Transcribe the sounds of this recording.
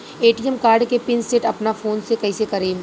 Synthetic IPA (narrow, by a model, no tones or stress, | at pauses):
eːʈiɛmkaːɾɖkepɪnsɪʈɐpnafoːnsekɐːsekɐɾeːm